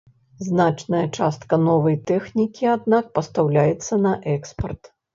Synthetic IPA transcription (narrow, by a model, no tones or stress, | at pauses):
znat͡ʂnɐjɐt͡ʂast̪̚kɐnɔvɐjt̪ɛxnʲikʲiad̪nak̚pɐst̪awlʲajɛt̪sːɐnɐʔɛkspɐrt̪